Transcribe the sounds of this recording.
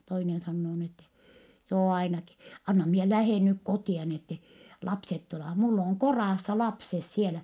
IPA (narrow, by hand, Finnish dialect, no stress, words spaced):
toinen sɑnːoː ni etːɛ joː ɑinɑki ɑnːɑ mie læheˑn nyk kotiɑ ni etːe lɑpset tuleʋɑh mulː oˑŋ korɑˑsːɑ lɑpses sielæ